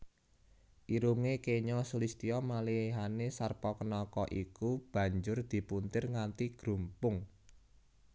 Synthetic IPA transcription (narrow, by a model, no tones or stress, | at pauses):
ʔiɾuŋekeɲɔsulist̪iɔmaliɦanesarpɔkənɔkɔʔikub̥ä̤ɲd͡ʒʊrd̪̥i̤punt̪ɪrŋant̪iɡ̥ɾṳmpʊŋ